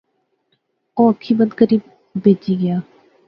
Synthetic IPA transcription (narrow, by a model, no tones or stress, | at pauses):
oːəkʰːiːbəd̪kəɾiːbː | eːd͡ʒiːɡɪjaː